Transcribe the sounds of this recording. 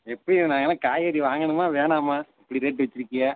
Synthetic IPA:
ɛpːɐɽinaːŋɡɐnãːkaːjɐːɾiʋaːŋɡɐɳɯmaːʋeːnaːmaːɪpːɐɽiɾeːʈːɯʋɐt͡ʃːɪɾɯkːɪjaː

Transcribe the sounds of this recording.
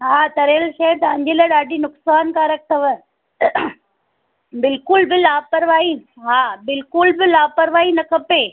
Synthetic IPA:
ɦaːt̪ɐɾeːlʃɐt̪ɐɐ̃ɲ̆d͡ʑelaɗaːɖinʊksaːnkãɾɐk̚ʰt̪ʰɐʋə | bɪlkʊlbɪlaːpɐɾʋaːiɦaːbɪlkʊlbɪlaːpəɾʋaːinɐkɐpeː

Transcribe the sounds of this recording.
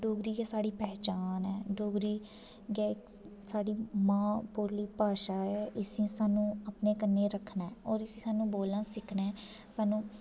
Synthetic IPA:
ɖoːɡɾiːɡeːsaːɽiːpɛːt͡ʃaːnɛːɖoːɡɾiː | ɡeːk | saːɽiːmãːpuːɾliːpaːʃaːɛːʔɪsĩːsaːnũːəpneːkənːeːɾəkʰnaɛɔːɾɪsĩːsaːnũːboːlnãːsɪkʰnɛː | saːnũː

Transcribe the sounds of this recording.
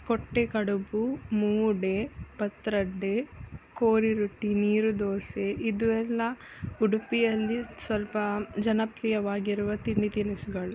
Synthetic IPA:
koʈːekɐɽubumuːɖepɐt̪ɾɐɖːekoːɾiɾuʈːiniːɾud̪oːseʔid̪uʋɛlːɐuɽupijɐlːisʋɐlpɐd͡ʒɐnɐpɾijɐʋaːɡiɾuʋɐt̪init̪inisuɡɐɭu

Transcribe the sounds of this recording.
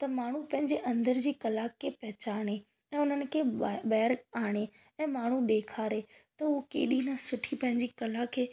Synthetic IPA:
t̪ɐmaːɳ̤ũpɐ̃ɦɪ̃ɲd͡ʑeʔɐ̃nd̪əɾd͡ʑiːkɐlakʰːeːpɐɦɪt͡ɕaːɽ̃e | ɛ̃ːʊn̤ənɪ̆kʰeːɓɛːɾɡaːɽ̃e | ɛ̃ːmaːɳ̤uɗeːkʰaːɾet̪ɐʊokḛːɗinasʊʈʰipɐ̃ɦɪ̃ɲd͡ʑiːkɐlakʰeː

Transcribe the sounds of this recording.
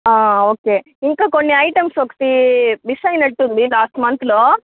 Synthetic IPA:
aːoːkeː | iŋkaːkonːiɐjʈɐmsokɐ̥t̪iʋisɐjnɐʈːund̪ilaːsʈmɐnt̪loː

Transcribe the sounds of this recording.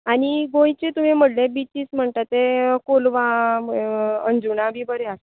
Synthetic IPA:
aɽ̃iɡõjt͡ɕet̪umim̤əʈlẽbit͡ɕiːt͡sm̤əɳt̪at̪ekolʋa | ənd͡zunabʱiːbəɾease

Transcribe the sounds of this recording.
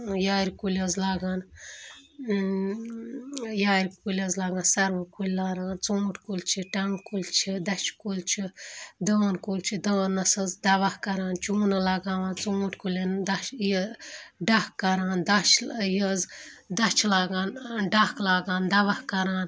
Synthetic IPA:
jaːɾikulʲɐzlaːɡaːn | jaːɾikulʲɐzlaːɡãːnsɐɾʋɐkulʲlaːɾaːnt͡sũːʈʰkulʲt͡ʃʰiʈɐŋɡkulʲt͡ʃʰid̪ɐt͡ʃʰkulʲt͡ʃʰid̪əːnkulʲt͡ʃʰid̪əːnːɐsɐzd̪ɐʋɐhkɐɾaːnt͡ʃuːnɐlaːɡaːʋaːnt͡sũːʈʰʲkulʲɐnd̪ɐʃj | ɖɐhkɐɾãːnd̪ɐt͡ʃʰjɐz | d̪ɐt͡ʃʰlaːɡaːnɖɐhklaːɡaːnd̪ɐʋɐhkɐɾaːn

